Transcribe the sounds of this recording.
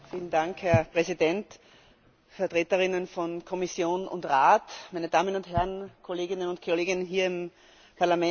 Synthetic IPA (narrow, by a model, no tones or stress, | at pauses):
fiːlən̩daŋkhɛɐpʁɛzidɛnt | fɛɐtʁ̥eːtəʁɪnənfɔnkʰɔmɪsjoːnʊ̰ntʁaːtmaɪnəd̥aːmənʊnthɛɐnkʰoleːɡɪnənʊntkʰoleːɡɪnənɦiːɐɪm | pʰaɐlamɛ